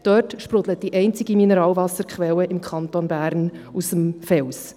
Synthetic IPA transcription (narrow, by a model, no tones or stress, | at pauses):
d̥øːrtʃpɾʊd̥̪lət̚d̥iʔɛɪnt͡sɪɡiminəɾɑːlvɑsəɾkχʋɛwəɪmkχɑntonbæːɾnusəmfɛls